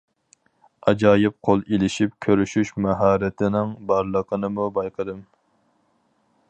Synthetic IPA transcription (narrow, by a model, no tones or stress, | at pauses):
ɑd͡ʒɑːjɪp̚qʰolˠelɪʃip̚kʲʰøɾyʃyʃmɛɦɑːɾɪt̪ʰɪnɪŋbɑɾlˠəqʰənɨmubɑjqʰəd̪ɨm